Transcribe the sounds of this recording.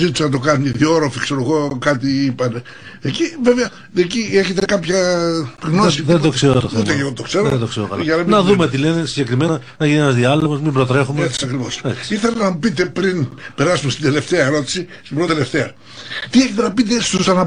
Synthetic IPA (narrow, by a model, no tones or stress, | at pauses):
zit̪u̥senɐt̪̬o̞kɐnuniðio̞ɾofikse̞ɾoɣo̞kɐt̪iipɐne | ecive̞veɐ | ecieçe̞t̪e̞kɐpçɐɣnosiðend̪okseɾot̪out̪eʝɐot̪okseɾoed̪okseɾo̰kɐ̰lʝɐlɐmnɐðumet̪ilenesiɲɟe̞kɾimenɐ | nɐʝinienɐzðiɐleɣozmimbɾot̪ɾe̞xumeesi̥sɐkɾivosɐsiɾθelenɐmupit̪e̞pɾinpe̞ɾɐsumest̪ind̪e̞le̞ft̪eɐeɾo̞t̪i̥sist̪imbɾot̪ele̞ft̪e̞ɐ | t̪ieçet̪enɐpit̪est̪usɐnɐ